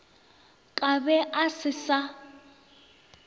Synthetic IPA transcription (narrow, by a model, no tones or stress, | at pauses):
kʼabɛʔasɪsa